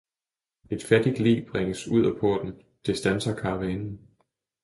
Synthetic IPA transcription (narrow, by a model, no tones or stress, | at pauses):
e̝d̥fæd̥id̥lḭːb̥ʁeŋ̰əsuð̰ˠæpʰɔɐd̥n̩ | d̥e̝sd̥ænsɐkʰɑ̈ʋeːnn̩